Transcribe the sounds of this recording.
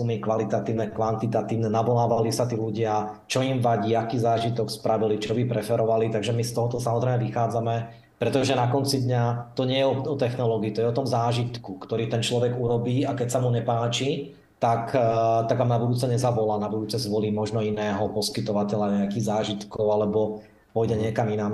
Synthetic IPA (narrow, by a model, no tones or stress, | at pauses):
sumikʋalit̪at̪iːʊnɛkʋant̪it̪at̪iːʊnɛnaʋɔlaːʋalisat̪iːluɟɪa | t͡ʃɔimʋaɟiːakiːzaːʒit̪ɔkspɾʔaʋilit͡ʃɔbipɾɛfɛɾɔʋalit̪aɡʒɛmist̪ɔɦɔt̪ɔsamɔzɾɛɪmɛʋixaːd͡zamɛ | pɾɛt̪ɔʒɛnakɔnt͡sid̪ɲat̪ɔɲɪɛjɛɔɔt̪ɛxnɔlɔɡiiːt̪ɔjɛɔt̪ɔmzaːʒit̪kukt̪ɔɾiːt̪ɛnt͡ʃlɔʋɛɡuɾɔbiːakɛcsamuɲɛpaːt͡ʃi | t̪akt̪aɡʋaːmnabud̪uːt͡sɛɲɛzaʋɔlaːnabud̪uːt͡sɛzʋɔliːmɔʒnɔinɛːɦɔpɔskit̪ɔʋacɛʎaɲɛakiːɣzaːʒit̪kɔʊalɛbɔ | pɔjɟɛɲɪɛkaminaːm